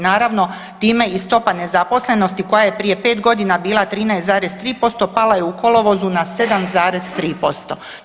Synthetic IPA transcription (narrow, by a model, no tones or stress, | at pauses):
naːɾaʋno̞ | t̪iːme̞ist̪o̞pane̞zapo̞sle̞no̞st̪iko̞jaje̞pɾije̞pe̞ːt̪ɡo̞d̪inabiːlˠat̪ɾiːnajesaːɾe̞st̪ɾiːpo̞st̪o̞palajeuko̞lo̞ʋo̞zunase̞d̪amzaːɾe̞zt̪ɾiːpo̞st̪o̞